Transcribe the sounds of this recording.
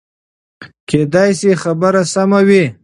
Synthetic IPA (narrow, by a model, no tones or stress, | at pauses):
kʰed̪ɑjsexabəɾasamawi